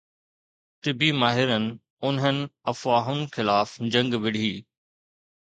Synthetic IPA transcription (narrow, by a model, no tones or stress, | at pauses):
ʈ̪ɪbimaːɦɪɾənɪ̆ | ʊnɦənɪ̆ɐfaːɦʊnɪ̆xɪlaːfd͡ʑɐ̃ŋɡʋɪɽ̤iː